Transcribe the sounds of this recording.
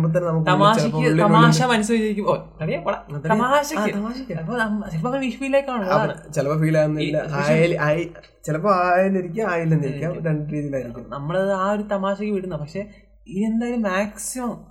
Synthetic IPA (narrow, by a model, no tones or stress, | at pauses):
mbɐt̪ɐnːenɐmuk̬ːt̪ɐmaːɐkpːoːɭːiɐmaːɕɐmɐnusɐit͡ɕːɐɾikʲːumok̪ɐɽijapɐɽɐɐt̪ːɐɾɐaːɕɐkʲːɨt̪ɐmaːɕɐkʲːaɐpːoːnɐmt͡ɕelɐp̬ːoːkɐiʂfiːlaːkʲːaːɳuɐaɐɳɨt͡ɕelɐpoːfiːlaːnːuilːɐajlʔaːji | t͡ɕelɐpːoaːjenːiɾikʲːaːmaːjilːenːiɾikʲːaːmɾeɳɖɨɾiːðijilaːjiɾik̪ʲːunːnɐmːɐɭeðaːoɾut̪ɐmaːɕɐkʲːɨʋiɽunːɐpɐkʂe̞ | iend̪aːjɐlumːaːksimɐm